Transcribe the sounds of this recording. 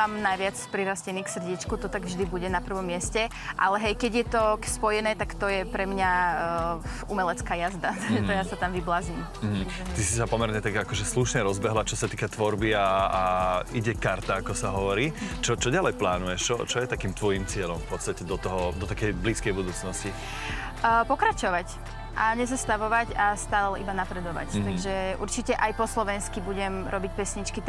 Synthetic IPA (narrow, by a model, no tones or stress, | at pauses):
amnajʋɪat͡spɾiɾascɛniːksr̩ɟit͡ʃkut̪ɔt̪aɡvʒd̪ibuɟɛnapr̩ʋɔmːɪɛscɛ | ʔalɛɦɛjkɛɟjɛt̪ɔkspɔjɛnɛːt̪akt̪ɔjɛpɾɛmɲa | umɛlɛt͡skaːjazd̪at̪ɔjasat̪amʋiblaːzɲim | m̩ɦ̩ | t̪isisapɔmɛɾɲɛt̪aɡakɔʒɛsluʃɲɛɾɔzbɛɦlat͡ʃɔsat̪iːkat̪ʋɔɾbiaː | iɟɛkaɾt̪aːkɔsaɦɔʋɔɾiːt͡ʃɔt͡ʃɔɟalɛjplaːnujɛʃt͡ʃɔ̰t͡ʃɔjɛt̪akiːmt̪ʋɔjimt͡sɪɛʎɔmfpɔt̪st̪acɛd̪ɔt̪ɔɦɔd̪ɔt̪akɛjbliːskɛjbud̪uːt͡snɔsci | pɔkɾat͡ʃɔʋac | ʔaɲɛzast̪aʋɔʋacast̪aːllɛḭbanapɾɛd̪ɔʋa̰ct̪aɡʒɛṵɾt͡ʃicɛʔajpɔslɔʋɛnskibuɟɛmɾʔɔbic̚pɛsɲit͡ʃkit̪